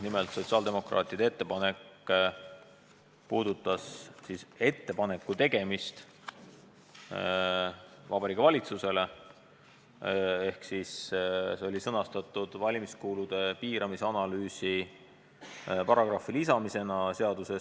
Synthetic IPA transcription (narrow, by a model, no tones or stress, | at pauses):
nimelt̪so̞t̪siɑld̪e̞mo̞kɾɑ̰ːt̪ˑid̪ee̞t̪ːe̞pɑne̞k | puːd̪̥ut̪ːˑɑssise̞t̪ːe̞pɑne̞kːˑut̪e̞ɡ̥e̞mist̪ | vɑbɑɾiːkːˑɑvɑlʲit̪suse̞le̞ | e̞hksisseo̞lʲisɤnɑst̪ɑt̪ːˑud̪̥vɑlʲimiskuːlud̪̥e̞piːɾʔɑmiseɑnɑlyːsi | pɑɾɑɡ̥rɑfilisɑmise̞nɑse̞ɑd̪̥use̞s